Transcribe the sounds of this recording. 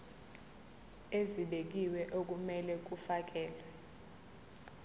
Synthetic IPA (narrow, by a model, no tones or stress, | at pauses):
eziɓek̬iwɛʔok̬ʼumɛlɛk̬ufak̬ɛːlɛ